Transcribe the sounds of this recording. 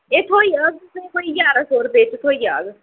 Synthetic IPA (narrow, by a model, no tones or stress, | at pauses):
eːt̪ʰoːijaːɡ̚t̪ʊsẽkoːiɡaːɾaːsoːɾpeːt͡ʃt̪ʰoːiaːɡ